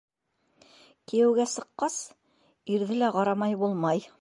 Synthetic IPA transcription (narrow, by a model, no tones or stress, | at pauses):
kijɘ̆wɡæsɤ̆qːɑs | iɾðɘlæqɑɾɑmɑjbulˠmɑj